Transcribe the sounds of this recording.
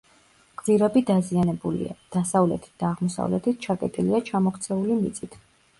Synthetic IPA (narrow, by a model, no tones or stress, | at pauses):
qʼziɾɛbid̪azianɛbulḭa̰d̪̥asavlɛt̪ʰi̥t̪̚d̪aːʁmɔsa̰vlɛ̰t̪ʰit̪̚ʰt͡ʃʰakʼɛt̪ʼiliat͡ʃʰamɔkʰt̪sʰɛulimit̪sʼit̪ʰ